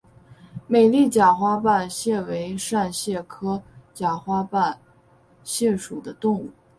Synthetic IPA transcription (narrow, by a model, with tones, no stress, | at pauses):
me˨˩ɪli˥˩t͡ɕja˨˩xwa˥pa˥˧nɕjɛ˥˩we˧˥ɪʂa˥˧nɕjɛ˥˩kʰɤ˥t͡ɕja˨˩xwa˥pa˥˩n | ɕjɛ˥˩ʂu˨˩d̪ə˦t̪ʊ˥˧ŋu˥˩